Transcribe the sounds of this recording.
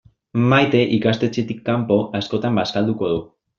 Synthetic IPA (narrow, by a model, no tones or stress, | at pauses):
majt̪e̞ʔikast̪e̞t͡ʃet̪ikːampo̞ʔasko̞t̪ambaskald̪uko̞ðu